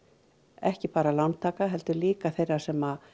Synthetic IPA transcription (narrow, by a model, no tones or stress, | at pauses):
ɛhcɪpaːɾalawnt̪ʰːaːkaɦɛlt̪ʏɾliːkaθejrːaɾ̥sɛmað